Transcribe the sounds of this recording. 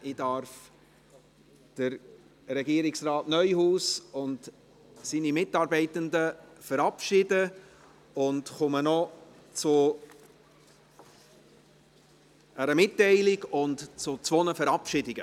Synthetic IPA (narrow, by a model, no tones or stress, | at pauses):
ɪdɑɾf | d̥əɾ | ɾɛɡiːɾɪksɾɑːtnœʏhuːsʊnt | sinimɪtɑːɾbɛɪtəndəfəɾɑpʃɪdə | ʊndχʊmənɔ | t͡sʊ | æɾəmɪtːɛɪlɪɡʊntt͡sʊt͡sʋɔnəfəɾɑpʃɪdɪɡə